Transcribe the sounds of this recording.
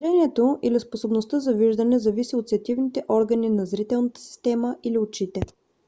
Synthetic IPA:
ɛniɛt̪oʔilisposobnost̪əzɐviʒd̪ənɛzɐvisiot̪sɛɐt̪ivnit̪ɛʔɔɾɡəninɐzɾit̪ɛlˠnət̪ə̥si̥st̪ɛməʔiliot͡ʃit̪ɛ

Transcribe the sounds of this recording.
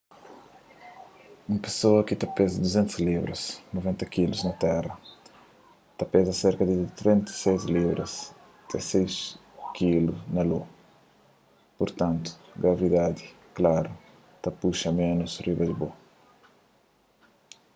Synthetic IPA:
ũmɐpe̥soɐkɪt̪apezɐd̪uzẽnt̪uzliβɾɐ̰snuvẽnt̪ɐkiluznɐt̪ɛrɐ | t̪apezɐseɾkɐd̪ɪt̪ɾẽnt̪ɐ̥sejzliβɾɐ̰s | t̪ɛ̰̃sejʃ | kiluznɐlu | puɾt̪ãnt̪u̥ɡɾɐvid̪ad̪ɪ | klaɾɐ | t̪apuʃɐmẽnusrivɐd̪ɪbo

